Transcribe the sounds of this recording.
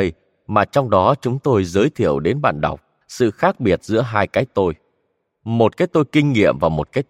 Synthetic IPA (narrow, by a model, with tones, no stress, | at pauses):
j | maː˨˩t͡ɕɔ˧wŋ͡mɗɔ˨˦t͡ɕʊ˨˦ŋ͡mt̪o˧jzəː˨˦jt̪ʰḭ˧˩˨əwɗe˨˦nɓa̰ː˧˨nɗa̰˨˩wk͡p̚ | sɨ̰˧˨xaː˦˥k̚ɓi˨˩ət̚zɨ̰˧˥əɦaː˧jkaː˨˦jt̪o˧j | mo˨˩t̚kaː˨˦jt̪o˧jkï˧ŋ̟ŋḭ˧˨əmvaː˨˩wmo˨˩t̚kaː˨˦j